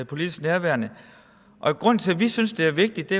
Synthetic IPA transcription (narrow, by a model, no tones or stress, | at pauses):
pʰo̝lid̥isɡ̥næɐʋæɐnə | ʔɒ̽iɡ̥ʁɔ̽n̰nt͡sʰe̝ʋisynsd̥e̝æɐʋe̝ɡ̥̚d̥i̥e̝